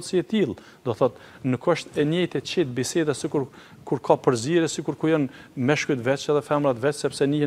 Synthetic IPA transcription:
siɛt̪ilˠ | d̪ɔθɔt̪ | nəkəʃt̪ɛnɛjt̪ɛt͡ɕit̪̚bisɛd̪asikuɾ | kuɾkʰapəɾziɾɛsikuɾkujənmɛʃkut̪vɛt͡ʃɛðɛfɛmɾat̪vɛt͡ʃsɛpsɛni

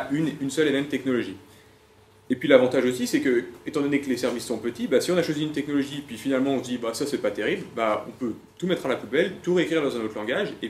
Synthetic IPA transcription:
ynynsœlemɛmt̪ɛknɔlɔʒi | epɥilavɑ̃t̪aʒosisɛkəet̪ɑ̃d̪ɔneklesɛʁvisːɔ̃pət̪ibasiɔ̃naʃwaziynt̪ɛknɔlɔʒipɥifinalmɑ̃ɔ̃sd̪ibasasɛpat̪eʁiblbaɔ̰̃pø | t̪umɛt̪χalapubɛlt̪uʁeekχiʁd̪ɑ̃zɛ̃not̪χlɑ̃ɡaʒe

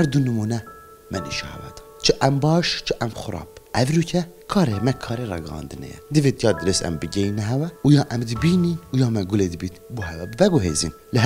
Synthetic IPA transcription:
hɛɾd̪unɨmunɛ | mɛnḭːʃɑ̰hɛ̰wɑ̰t̪ | t͡ʃʰəʔɛmbɑːʃt͡ʃʰɨʔɛmxʊɾɑ̰ːpʔɛvɾucʰɛ | kʰɑːɾemɛkʰɑːɾerɑ̰ɡɨhɑ̰ːnd̪ɨnɛ̰jɛ̰d̪ɨvet̪ʰjɑd̪ɨɾesɛ̰mbɨɡɛinɛɦɛwɛujɑːʔɛmd̪ɨbiːninujɑːmɛɡʊled̪ɨbit̪buɦɛwɛbvɛɡoɦḛːzḭn | ləɦ

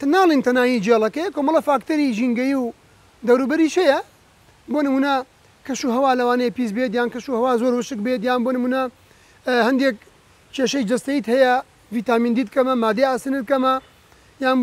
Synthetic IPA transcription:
t̪naːlˠint̪ʰɐnaːjid͡ʒelˠɐkejkomɐlˠefaːkt̪ɐɾiʒiŋɡɐjiw | d̪ɐwɾuːbɐɾiːʃhɐjɐ | boːnɨmuːnɐ | kʰɐʃuːɦɐwaːlɐwaːnɐjpiːs̬bet̪̬jaːnkɐʃuːhɐwaːzoɾwɨʃɨk̚bet̪jaːnboːnɨmuːnɐ | hɐnd̪eːk̚ | t͡ʃʰeːʃɐjd͡ʒɐst̪ɐjit̪hɐjɐ | viːt̪aːmiːnd̪iːd̪̚kɐmɐmaːd̪eaːsɨnɨd̪̚kɐmɐ | jaːn

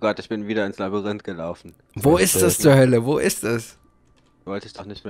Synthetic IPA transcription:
ɡ̥ɔtɪçb̥ɪnviːdɐɪnslabiʁɪntɡ̥əlaʊfn̩ | voːɪstd̥ast͡suːɐɦœləvoːʔɪstɛs | vɔltəsd̥ɔχnɪçtme

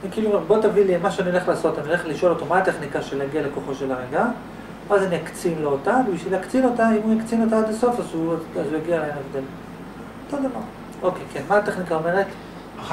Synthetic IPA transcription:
anikiːlubo̞t̪avilimaʃeaniole̞χlaːso̞t̪aniole̞χliʃo̞lo̞t̪o̞maat̪eχnikaʃeleaɡialeko̞χo̞ʃe̞laʁeɡa | azaniakt͡simleotavebiʃvileakt͡sino̞taimujakt͡sinot̬aad̪aso̞fazuazujaɡialeenevd̪el | t̪od̪amaʁ | o̞kekenmaat̪eχnikaome̞ʁet

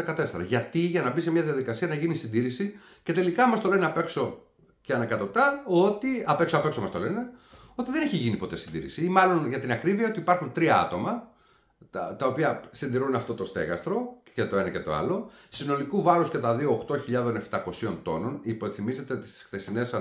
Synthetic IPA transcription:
ekɐt̪e̞se̞ɾɐʝɐt̪iʝɐnɐbis̬emɲɐðiɐðikɐsiɐnɐʝinisind̪iɾisi | ce̞t̪e̞likɐmɐst̪o̞le̞neɐpe̞kso̞ | ceɐnɐkɐt̪o̞t̪ɐo̞t̪iɐpe̞ksoɐpe̞kso̞mɐst̪o̞le̞neo̞t̪iðe̞neçiʝinipo̞t̪e̞sind̪ḭɾḭsiimɐlo̞nʝɐt̪inɐkɾiviɐo̞t̪ipɐɾxunt̪ɾiɐɐ̰t̪o̞mɐ | tɐt̪ɐo̞piɐsind̪iɾuneɐft̪o̞t̪ost̪e̞̰ɣɐ̰st̪ɾo̞cet̪o̞e̞nɐce̞t̪o̞̰ɐ̰lo̞sino̞likuvɐɾusce̞t̪ɐðio̞ːxt̪o̞çiʎɐðo̞ne̞ft̪ɐko̞sio̞nt̪o̞no̞niponθimize̞t̪eot̪i̥st̪skt̪esine̞sɐ

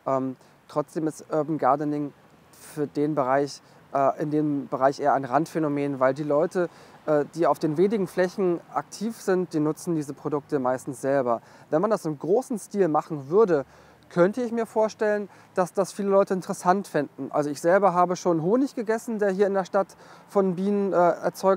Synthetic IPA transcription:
ʔɛːm | tʁ̥ɔt͡sd̥eːmɪstʔɔbn̩ɡaɐdənɪŋ | fyːɐdeːnbəʁaɪç | ʔɛːʔɪndeːmbəʁaɪçʔeːɐʔaɪnʁantfenomeːnvaɪldiːlɔʏtəʔɛːd̥iːaʊfd̥eːnveːnɪɡŋ̩flɛçn̩ʔa̰ktʰiːfz̥ɪnt̚d̥iːnʊt͡sn̩diːzəpʁ̥odʊk̚təmaɪstn̩sz̥ɛlbɐ | vɛnmandasɪmɡʁoːsn̩stiːlmaχn̩vʏɐdə | kʰœntəɪçmiːɐfoːɐʃtɛlən | d̥asd̥asfiːləlɔʏtəɪntəʁɛsantfɪndn̩ʔa̰lzoɪçz̥ɛlbɐɦaːbəʃoːnɦoːnɪçɡ̥əɡɛsn̩deːɐɦiːɐɪndeːɐʃtatfɔnbiːnənʔɛːʔɛɐt͡sɔʏ

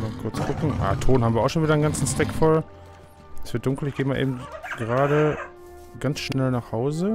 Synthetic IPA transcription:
maːkʰʊɐt͡skʰʊkŋ̩ʔa̰ːtʰoːnham̩viɐaʊxʃoːnviːdɐnɡant͡sn̩stɛkfɔl | sv̥ɪɐt̚d̥ʊŋkl̩ɪçɡ̥eːmaːɐʔḛːbm̩tɡ̥əʁaːɾə | ɡansʃnɛlnaːχhaʊzə

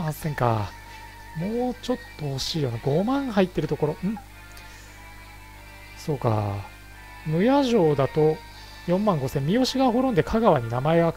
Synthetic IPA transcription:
ãsẽ̞ŋka̰ | mo̞ːt͡ɕo̞t̪ːo̞hoɕiːjo̞naɡo̞mãɰhait̪ːe̞ɾɯ̟t̪o̞ko̞ɾo̞ɯ̟̃ɴ | soːka̰ | mɯ̟jaʑo̞ːd̪at̪o̞ | jõ̞mːãŋɡo̞sẽ̞mːʲio̞ɕiɡaɦo̞ɾõnd̪e̞kʰaɡaβaɲ̟inamae̞ɡa

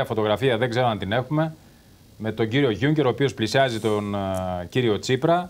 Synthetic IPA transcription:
ɐfo̞t̪o̞ɣɾɐfiɐðe̞ŋɡzeɾo̞ɐnt̪ine̞xume̞ | me̞t̪o̞ɲɟiɾio̞ʝuɲce̞ɾo̞ːpio̞splisiɐzit̪onciɾio̞t͡sipɾɐ

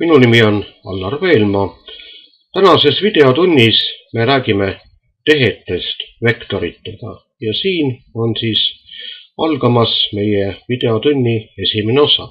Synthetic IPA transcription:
minunimio̞nɑ̰lːɑrve̞ːlmɑ | t̪ænɑse̞svid̪̥e̞ot̪unʲːisme̞ɾæːɡ̥ime̞ | t̪e̞ɦe̞t̪ːˑe̞st̪ve̞kt̪o̞ɾit̪ːˑe̞ɡ̥ɑ̰ | jɑsiːno̞nsiːs | ɑlɡ̥ɑmɑsme̞jevid̪̥e̞ot̪unʲːie̞sʲimene̞o̞sɑ̰

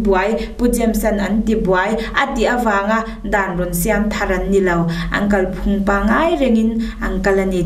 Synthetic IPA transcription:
buajpud͡ʒɛmsɐnɐntibuajʔɐtiɐvaːŋa | danrɔnsiamt̪ʰaɾɐnːilɐwʔɐ̰ŋkɐlpʰuŋpaŋajɾɛŋin | ɐŋkɐlɐni

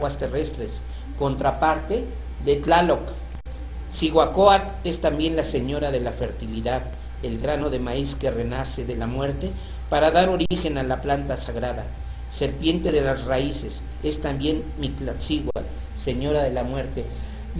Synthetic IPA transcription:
wast̪erest̪ɾes | ko̞nt̪ɾapaɾt̪e | ðet̪lalok | siɣwakoat̪est̪ambje̞nlaseɲo̞ɾaðe̞lafe̞ɾt̪iliðað | elɣɾano̞ðe̞maiskerenaseðelamwe̞ɾt̪e | paɾaðaɾo̞ɾixe̞nalaplant̪asaɣɾaða | se̞ɾpje̞nt̪eðe̞lasraises | est̪ambje̞nmit̪lat̪siɣwat̪̚ | seɲo̞ɾaðe̞lamwe̞ɾt̪e

